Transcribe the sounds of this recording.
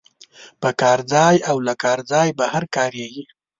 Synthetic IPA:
pəkɑɾd͡zɑjawlakɑɾd͡zɑjbahaɾkɑɾjewi

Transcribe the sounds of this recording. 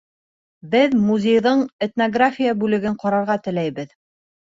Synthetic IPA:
bɘðmuzʲejðɤɴet̪noɡrafʲijabʉlɘ̆ɡɘɴqɑɾɑɾʁɑt̪ɘ̆læjβɘð

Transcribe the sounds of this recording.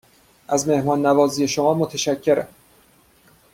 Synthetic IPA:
ʔæzme̞hmɒːnːævɒːziːje̞ʃomɒːmot̪ʰeʃæcʰːe̞ɾæ̰m

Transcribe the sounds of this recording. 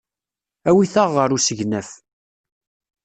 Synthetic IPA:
æwiθəʁːəɾusəʝnæf

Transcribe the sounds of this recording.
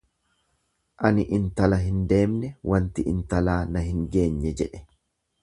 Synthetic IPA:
ʔɐnɪʔɪnt̪ɐlɐɦɪnd̪e̞ːmnɛwʔɐnt̪ɪʔɪnt̪ɐlaːnɐɦɪŋɡe̞ːɲːɛd͡ʒɛᶑɛ̥

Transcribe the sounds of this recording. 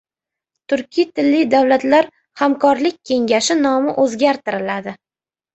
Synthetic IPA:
t̪ʰʊɾkʲʰɪjt̪ʰɪlːɪjd̪awlat̪laɾ | hamkʰɒɾlɪk̚ʲkʲʰːe̞ŋɡʲaʃɪnɒmɪʔɵzɡʲaɾt̪ɪɾɪlad̪ɪ

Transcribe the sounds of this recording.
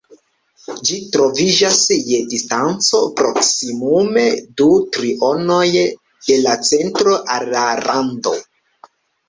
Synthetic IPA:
d͡ʒitɾo̞vid͡ʒasje̞distant͡so̞pɾo̞ksimume̞dutɾiʔo̞no̞j | d̥e̞lat͡se̞ntɾo̞ʔalːaɾando̞̰

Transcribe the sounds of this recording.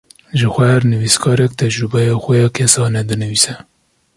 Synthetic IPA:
ʒɨxʷɛhæɾnɨviskʰɑːɾɛk̚t̪ʰɛd͡ʒɾɨbɛjɑːxʷɛjɑːkʰɛsɑːnɛd̪ɨnɨviːsɛ

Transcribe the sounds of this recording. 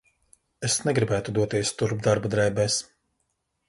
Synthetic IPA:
esnɛɡɾibæːt̪ud̪uɔt̪iɛst̪uɾb̚d̪aɾbad̪ɾɛjbɛːs

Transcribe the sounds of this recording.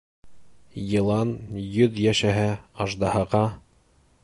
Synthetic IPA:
jɤ̆lˠɑnjɵðjæʃæɦɘɑʒd̪ɑhɤ̆qɑ

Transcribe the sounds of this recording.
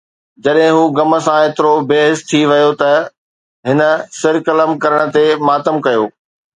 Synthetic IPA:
d͡ʑɐɗɦɪ̃ɦuːɡɐmə̆sãeːt̪ɪɾobeːɦɪst̪ʰiʋɐjot̪ɐ | ɦɪnə̆sɪɾkɐləmkɐɾəɽ̃ə̆t̪emaːt̪əmkɐjoː

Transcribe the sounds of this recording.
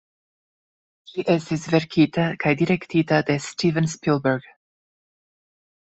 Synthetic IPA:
ʃiʔɛst̪esvɛɾkʰit̪akʰajd̪iɾɛkt̪ʰit̪ad̪estivə̃nspilˠbəɹɡ̥

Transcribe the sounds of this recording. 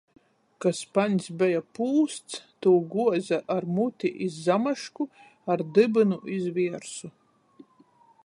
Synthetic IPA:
kaspanʲsbɛjapuːst̪st̪uːɡuɔzaʔaɾmut̪ʲiʔizːamaʃku | aɾd̪ɨbɨnuʔizvʲiɛɾsu

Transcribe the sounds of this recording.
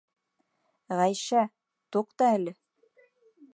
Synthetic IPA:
ʁæjʃæ | t̪oqt̪ɑælɘ

